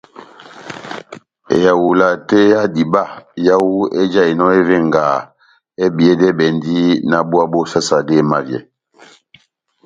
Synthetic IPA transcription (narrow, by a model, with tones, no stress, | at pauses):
ḛ˨ja˨wu˨la˨te˦ja˦di˨ba˦˨ja˦wu˦e˦d͡ʒa˦e˨nɔ˦e˦ve˦˨ŋ˨ɡaː˨ | e˦bi˨ɛ˦dɛ˦bɛ˨n˦di˦na˦bu˦a˦bo˦sa˦sa˨de˦˨ma˦˨vjɛ̰˨